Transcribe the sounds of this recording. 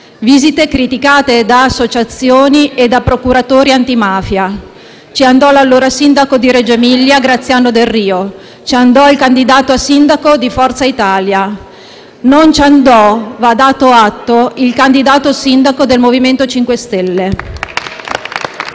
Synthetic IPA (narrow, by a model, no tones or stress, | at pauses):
viːzit̪ekɾit̪ikaːt̪ed̪aːsːot͡ʃat̪sːjoːnied̪ːapɾokuɾat̪oːɾiant̪imaːfja | t͡ʃiand̪ɔlalːoːɾasind̪akod̪iɾed͡ʒemiljaɡɾat̪sːjaːnod̪erːiːo | t͡ʃiand̪ɔilkand̪id̪aːt̪oasind̪akod̪ifɔrt̪sait̪aːlja | nont͡ʃand̪ɔvad̪aːt̪oat̪ːoilkand̪id̪aːt̪osind̪akod̪elmoviment̪ot͡ʃiŋkwest̪elːe